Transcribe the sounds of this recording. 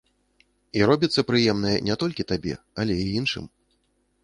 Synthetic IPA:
iɾɔbʲit̪sːɐpɾɨjɛmnɨjɛ̰nʲɛt̪ɔlʲkʲit̪abʲɛ̰ | alʲɛiinʂɨ̰m

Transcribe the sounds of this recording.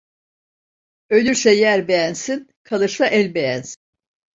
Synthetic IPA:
ø̞lʲyɾsɛjæɾbejænsinkʰalˠɯʃlˠaʔɛlʲbejænsin

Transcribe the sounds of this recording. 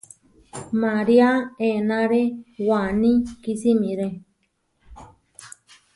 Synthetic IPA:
maɾiaenãɾewanĩkisimĩɾe

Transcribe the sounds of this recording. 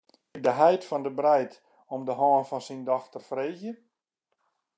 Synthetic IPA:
dəɦɛjtfɔndəbrɛjt | ɔmdəɦɔːnfɔnsindɔxtərfreːzjə

